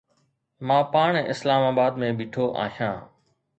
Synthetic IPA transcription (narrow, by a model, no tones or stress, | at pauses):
mãːpaːɳɪslaːmaːbaːd̪mẽːbiːʈʰoːʔa̰ːɦjãː